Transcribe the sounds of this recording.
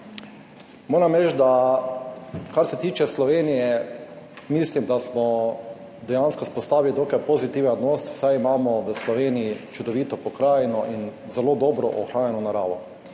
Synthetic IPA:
moːɾamɾɛt͡ʃd̪a | kaɾsɛt̪iːt͡ʃɛslɔʋeːnijɛ | miːslimd̪asmɔ | d̪ɛjanskospɔst̪aːʋilit̪oːkajpozit̪iːʋɛod̪noːssajimaːmɔʋəslɔʋeːnijit͡ʃud̪ɔʋiːt̪ɔpɔkɾaːjnɔʔinzɛloːd̪ɔːbɾɔ̰ʔɔxɾaːnjɛnɔnaɾaːʋɔ

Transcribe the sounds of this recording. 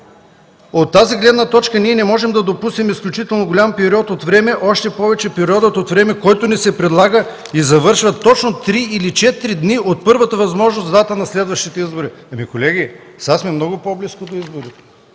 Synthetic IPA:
ot̪ːaziɡlɛd̪nɐt̪ɔt͡ʃkəniɛnɛmɔʒɛmd̪ɐd̪opusnɛmisklʲut͡ʃit̪ɛlˠnoɡolʲampɛɾiɔt̪ot̪vɾɛmɛʔɔʃt̪ɛpɔvɛt͡ʃɛpɛɾiɔd̪ət̪ot̪vɾɛmɛkɔjt̪ʊnɛsɛpɾɛd̪lˠaɡə | izɐvɤɾʃvət̪ːɔt͡ʃnot̪ɾiilit͡ʃɛt̪ɾid̪niʔot̪̚pɤɾvət̪əvɐzmɔʒnosd̪at̪ənɐslɛd̪vəʃt̪it̪ɛizboɾiɐmikolɛɡʲisasmiɛmnɔɡʊpobliskod̪oizboɾi

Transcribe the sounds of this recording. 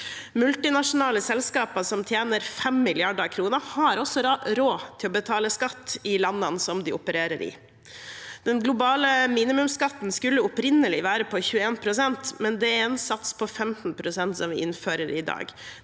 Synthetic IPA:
mʉlt̪ɪnɑʂʊnɑːləsɛlskɑːpɑsɔmt̪ʰjeːnəɾfɛmːɪlɪɑɖəɾkʰɾuːnəhɑɾɔsɔɾoːt̪ʰɪlɔbət̪ʰɑːləskɑt̪ːɪlɑnːɑnsɔmd̪ɪʊpəɾeːɾəɾɪ̰ | d̪̥ɛnɡlʊbɑːləmiːnɪmʉmskɑt̪ːn̩skʉlːəʊpɾɪnəlɪʋæːɾəpʰɔçʉːəeːnpʰɾʊsɛnt̪mɛnd̪ɛɾɛnsɑt̪spʰɔfɛmt̪n̩pʰɾʊsɛnt̪sɔmʋɪ̰ʔɪnføːɾəɾɪd̪ɑ̰ːɡ

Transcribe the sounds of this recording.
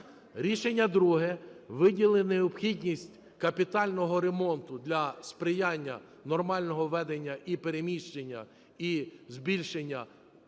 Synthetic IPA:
ɾʲiʃenʲːɐd̪ɾuɦɛʋɪdʲilˠɪneɔpxʲidʲnʲisʲtʲ | kɐpʲit̪ɑlʲnɔɦɔɾemɔnt̪ʊd̪lʲɐspɾɪjɑnʲːɐ̰ | nɔrmɑlʲnɔɦɔʋɛd̪enʲːɐʔipeɾemʲiʃt͡ʃenʲːɐ̰ | izbʲilʲʃenʲːɐ

